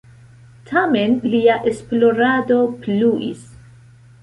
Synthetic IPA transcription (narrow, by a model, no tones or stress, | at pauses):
tʰamenliaʔesplo̞ɾado̞pluʔḭs